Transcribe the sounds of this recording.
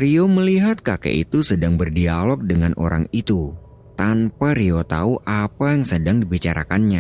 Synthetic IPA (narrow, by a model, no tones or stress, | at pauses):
rioməliɦat̪̚kakḛʔit̪usədaŋbərdialɔk̚dəŋanʔo̰ɾa̰ŋit̪u | t̪ampaɾiot̪auʔapajaŋsədaŋdibit͡ʃaɾa̰kanɲa